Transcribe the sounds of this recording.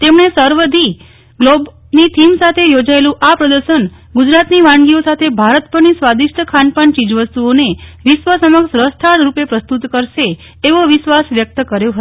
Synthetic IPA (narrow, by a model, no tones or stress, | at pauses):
t̪emɳesəɾʋəd̪ʱi | ɡlob | nit̪ʰimsat̪ʰejod͡ʒaelũʔapɾəd̪əɾʃən | ɡud͡ʒɾat̪niʋãɳɡiosat̪ʰebʱaɾət̪pəɾnisʋad̪iʃʈəkʰanpəɳt͡ʃid͡ʒʋəst̪uoneʋɪʃʋəsəməkʃɾəst̪ʰaɽɾupepɾəst̪ut̪kəɾʃeː | ʋoʋɪʃʋasʋjək̚t̪əkəɾjoɦət̪o